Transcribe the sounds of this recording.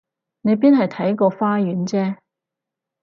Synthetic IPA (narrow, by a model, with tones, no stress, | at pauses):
ne˨˧jp̬iː˥nhɐ˨jt̪ʰɐ˨˥jkɔː˧faː˥jyː˨˥nt͡sɛː˥